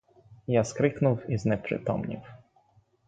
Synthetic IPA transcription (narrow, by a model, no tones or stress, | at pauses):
jaskɾɘknuwiznɛpʂɘ̰t̪ɔ̰mɲḭw